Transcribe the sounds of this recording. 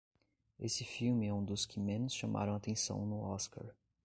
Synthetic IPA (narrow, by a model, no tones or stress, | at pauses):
esɪfiwmɪɛũd̪ʊskɪmẽnʊsʃamʔa̰ɾɐ̃w̃at̪ẽsɐ̰̃w̃nʊɔska̰ɾ